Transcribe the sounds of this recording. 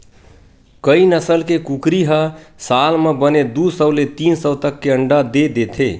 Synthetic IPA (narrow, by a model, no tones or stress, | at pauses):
kəinəsəlkekukɾiɦəsalmebəned̪usəʊlet̪insəʊt̪əkːeəɳɖad̪ed̪et̪ʰe